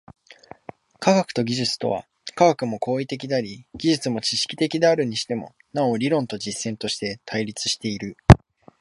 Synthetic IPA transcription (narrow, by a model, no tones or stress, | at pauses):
kʰaɡakɯ̟̥t̪o̞ɡʲiʑɨt͡sɨ̥t̪o̞̰βa̰ | kaɡakɯ̟mo̞ko̞ːit̪e̞k̬ʲid̪aɾʲiɡ̥ʲiʑɨt͡sɨmo̞t͡ɕiɕi̥kʲi̥t̪e̞kʲid̪e̞aɾɯ̟ɲ̟iɕi̥t̪e̞mo̞̰ | não̞ɾʲiɾõ̞nt̪o̞d͡ʑisːẽ̞nt̪o̞ɕi̥t̪e̞t̪ʰaiɾʲit͡sɨ̥ɕi̥t̪e̞iɾɯ̟